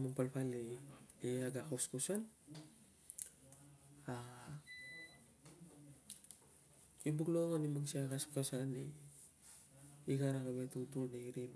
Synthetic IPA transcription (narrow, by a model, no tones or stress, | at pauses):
maŋpalpalieaɡakoskusan | a | ibuɡloŋanimaɡsiakaskasani | ɡaɾakaβetutunaiɾim